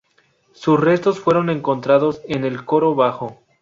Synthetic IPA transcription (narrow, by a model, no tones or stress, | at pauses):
susre̞st̪o̞sfwe̞ɾo̞ne̞ŋko̞nt̪ɾaðo̞se̞ne̞lko̞ɾo̞βaxo